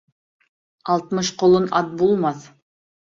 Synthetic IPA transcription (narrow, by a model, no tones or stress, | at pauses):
ɑlˠt̪mɤʃqolˠənɑt̪̚bulˠmɑθ